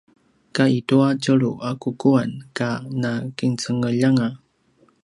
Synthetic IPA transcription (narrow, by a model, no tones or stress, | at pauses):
kaituacəɾuʔakukuankanakiŋt͡səŋəʎaŋa